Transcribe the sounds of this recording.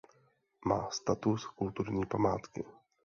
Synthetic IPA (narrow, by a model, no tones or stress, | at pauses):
ma̰ːst̪at̪uskult̪uɾɲiːpamaːt̪kɪ